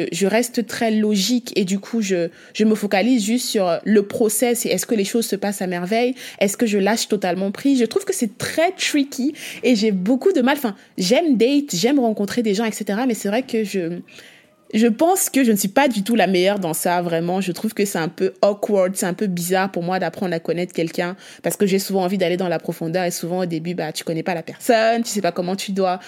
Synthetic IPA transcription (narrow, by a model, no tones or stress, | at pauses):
ʒəʁɛst̪t̪χɛlɔʒiked̪ykʰuʒə | ʒ̥əməfokalizʒyst̪syʁləpχɔsɛseɛskəleʃozsəpasamɛʁvɛjɛskəʒəlaʃt̪ɔt̪almɑ̃pχiʒət̪χuv̥kəsɛt̪χɛt̪χikʲʰieʒɛbokud̪əmalɑ̃fɛ̃ | ʒɛmd̪ɛjt̪ʒɛmʁɑ̃kɔ̃t̪χed̪eʒɑ̃ɛkset̪eʁamɛsɛvʁɛkəʒə | ʒəpɑ̃skəʒənəsɥipad̪yt̪̬ulamɛjœʁd̪ɑ̃savʁɛmɑ̃ʒət̪χuvkəsɛɛ̃pøɔkwɔʁd̪sɛɛ̃pøbizaʁpuʁmwad̪apχɑ̃d̪ʁakɔnɛt̪χkʲɛlkʲɛ̃ | paʁsəkəʒesuvɑ̃ɑ̃vid̪aled̪ɑ̃lapχɔfɔ̃d̪œʁesuvɑ̃od̪ebybat̪y̥kɔnɛpalapɛʁsɔnt̪y̥sɛpakɔmɑ̃t̪yd̪wa